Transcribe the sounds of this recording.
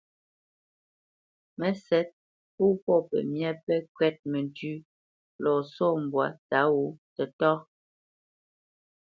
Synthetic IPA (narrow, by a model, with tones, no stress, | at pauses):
mɛ˨˦sɛ˦t̚ | pu˦pɔ˦˨pɛ̰˨mjɛ˦pɛ˦kɥɛ˦t̚mɛ˨ntʉ˦ | lɔ˨sɔ˦˨m˨bwa̰˨ta˨˦wu˨˦tɛ˨tɔ˦